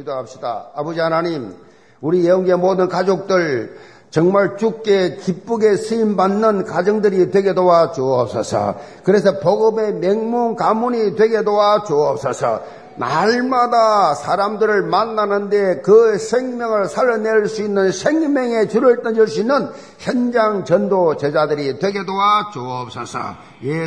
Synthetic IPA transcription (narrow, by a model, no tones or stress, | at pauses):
kidoɦap̚ɕ͈ida̰abʌd͡ʑiɦanaɲim | uɾijeoŋɡe̞modɯnkad͡ʑok̚t͈ɯɭ | t͡ɕʌŋmaɭt͡ɕuk͈̚e̞kip͈uɡe̞sʰɯimbanːɯnkad͡ʑɯŋdɯɾidwe̞ɡe̞dowat͡ɕoʌp̚s͈ʌ̰sʰʌ̰ | kɯɾe̞s̬ʰʌpoɡɯme̞meŋmuŋkamuɲidwe̞ɡe̞dowat͡ɕoʌp̚s͈ʌsʰʌ̰ | na̰ɭmadasʰaɾamdɯɾɯɭmanːanɯnde̞kɯsʰeŋmjʌŋɯɭsʰaɾʌne̞ɭsuinːɯnsʰe̞ŋmjeŋe̞t͡ɕuɾɯɭt͈ʌd͡ʑiɭs͈uinːɯn | çjʌnd͡ʑaŋt͡ɕʌndot͡ɕe̞d͡ʑadɯɾitwe̞ɡedowat͡ɕoʌp̚s͈ʌ̰sʰʌ̰ | je